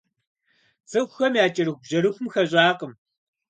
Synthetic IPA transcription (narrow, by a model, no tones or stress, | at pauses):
t͡sɨxʷxɐmjaːt͡ʃʼɐɾɨxʷbʑɐɾɨxʷʊmxɐʑʷʼaːqəm